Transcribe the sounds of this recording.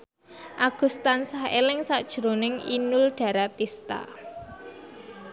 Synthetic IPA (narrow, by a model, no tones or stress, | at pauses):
ʔaɡ̥ṳst̪ansahḛlɪŋsaʔd̥ʒ̥ɾonɪŋḭnʊlɖ̥a̤ɾat̪ist̪a̰